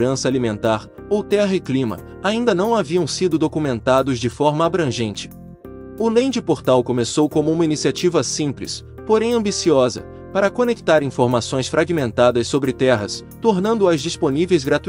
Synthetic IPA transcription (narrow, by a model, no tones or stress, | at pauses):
ɾɐ̃sɐalimẽnt̪aɾ | owt̪ɛɦɐiklĩmɐ̰ | aĩnd̪ɐnɐ̃w̃aviɐ̃w̃sid̪ʊd̪okumẽnt̪ad̪ʊzd͡ʒɪfɔɾmɐabɾɐ̃ʒẽnt͡ʃɪ̥ | ʊlẽj̃d͡ʒɪpoɾt̪awkõmesowkõmʊũmɐinisiat͡ʃivɐsĩplḭs | poɾẽj̃ɐ̃bisiɔzɐ̰ | paɾɐkonekt̪aɾĩfoɾmasõj̃sfɾʔaɡimẽnt̪ad̪ɐssobɾɪt̪ɛɦɐ̰s | t̪oɾnɐ̃nd̪ʊɐzd͡ʒisponivejzɡɾat̪u